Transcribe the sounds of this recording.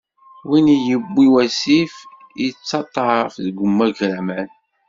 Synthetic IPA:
winijəbːiwæsif | it͡sːɑt̪ˤːɑfðɡʷəmːæʝɾæmæn

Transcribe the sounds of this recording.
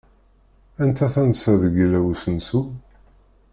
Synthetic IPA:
ænt̪ʰæθænsæðəɡlæwusənsu

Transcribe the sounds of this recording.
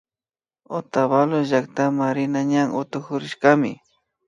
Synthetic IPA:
ot̪aβaloʒak̚t̪amaɾɪnaɲaŋʔʊt̪ʊxʊɾɪʃkamɪ̰

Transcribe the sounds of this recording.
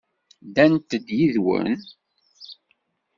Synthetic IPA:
d̪ænt̪əd̪jiðwə̰n

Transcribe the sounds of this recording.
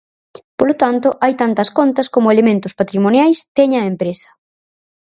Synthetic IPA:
polot̪ant̪ʊʔajt̪ant̪ɐskont̪ɐskomʊelemẽnt̪ʊspat̪ɾimonjajstɛɲɐempɾesɐ̥

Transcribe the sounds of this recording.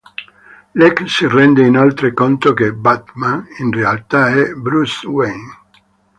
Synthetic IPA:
lɛksirɛnd̪einolt̪ɾekont̪okebat̪maninrealt̪aɛbɾuswen

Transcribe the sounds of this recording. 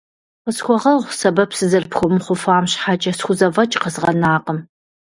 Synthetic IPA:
qəsxʷɔʁɐʁʷsɐbɐpsɨzɐrpxʷʊmχʷʊfaːmɕħat͡ʃʼɐsxʷʊzɐvɐt͡ʃʼqəzʁɐnaːqəm

